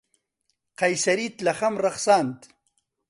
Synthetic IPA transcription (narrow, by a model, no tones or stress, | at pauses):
qajsɐɾit̪lɐχɐmɾɐχsaːnt̪